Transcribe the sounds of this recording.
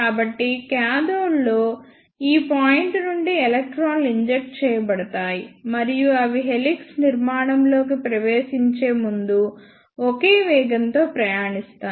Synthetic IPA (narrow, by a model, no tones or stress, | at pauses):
aːbɐʈːikjaːd̪oːlːo̞ː | iːpaːjiɳʈnuɳɖielɐk̚ʈɾaːnliɲd͡ʒek̚ʈ̚t͡ʃɛːjɐbɐɽɐt̪aːjimɐɾijuɐʋiɦe̞liksniɾmaːɳɐmlo̞ːk̬ipɾɐʋe̞ːʃiɲt͡ʃe̞ːmund̪u | ɔke̞ːʋɛːɡɐnt̪o̞ːpɾɐjaːɳist̪aː